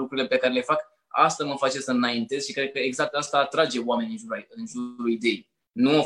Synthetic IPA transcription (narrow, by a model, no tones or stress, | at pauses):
ukɾuɾile̞pe̞kaɾe̞le̞fak | a̰st̪aməfat͡ʃe̞səɨnaint̪e̞z̥ʃikɾe̞d̪̚kəeɡzak̚t̪ast̪aːt̪ɾad͡ʒe̞oame̞nʲɨnʒuɾajɨnʒuuuid̪e̞j | nuo